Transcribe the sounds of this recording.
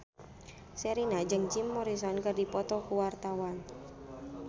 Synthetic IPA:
sɛɾinad͡ʒəŋd͡ʒimːɔɾis̬ɔnkərdipɔt̪ɔkuwart̪awan

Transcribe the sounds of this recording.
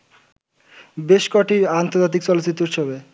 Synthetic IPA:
beʃkɔʈiant̪oɾd͡ʑat̪̬ik̚t͡ɕɔlot͡ɕːit̪ːɾoɾt͡ɕʰobe

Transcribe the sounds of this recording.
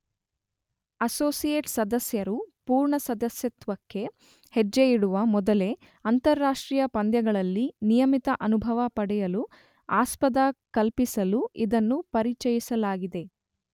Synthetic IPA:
ɐsoːsijeːʈsɐd̪ɐsjɐɾupuːɾɳɐsɐd̪ɐsjɐt̪ʋɐkːe̞ | hed͡ʒejiɽuʋɐmɔd̪ɐle̞ | ɐnt̪ɐɾːaːʂʈɾiːjɐpɐnd̪jɐɡɐɭɐlːinijɐmit̪ɐʔɐnubʱɐʋɐpɐɽɛjɐlu | aːspɐd̪akɐlpisɐluʔid̪ɐnːupɐɾit͡ʃɐjisɐlaːɡid̪e̞

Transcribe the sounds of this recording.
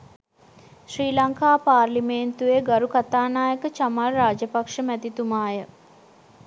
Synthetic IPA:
ʃriːlaŋkaːpaːrlimeːnt̪ueɡaɾukat̪aːnaːjəkət͡ʃamalɾaːd͡ʒəpakʂəmæt̪it̪umaːjə

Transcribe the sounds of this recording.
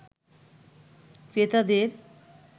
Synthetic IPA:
kɾet̪ad̪eɾ

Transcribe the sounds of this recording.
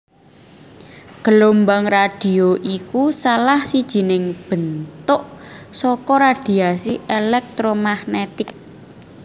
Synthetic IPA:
ɡ̥əlombaŋrad̥i̤oʔikusalahsid̥ʒ̥i̤nɪŋb̥ə̤nt̪ʊʔsɔkɔɾad̪̥i̤asiʔelɛk̚t̪ɾomahnet̪ɪk̚

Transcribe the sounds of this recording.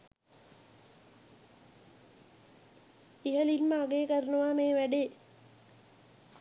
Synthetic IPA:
iɦəlilməːɡeːkəɾənuʋaːmeːʋæɖeː

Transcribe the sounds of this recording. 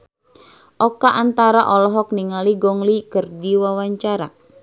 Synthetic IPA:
ʔɔkaʔant̪aɾaʔɔlɔɦɔk̚niŋaliɡɔŋlikərdiwawaɲt͡ʃaɾa

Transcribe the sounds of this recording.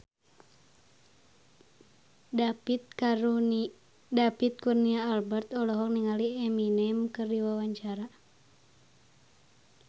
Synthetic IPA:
t̪au | dapit̪̚kurniaːlbɛrt̪ɔlɔɦɔk̚niŋaliɛminɛmkɨrdiwawaɲt͡ʃaɾa

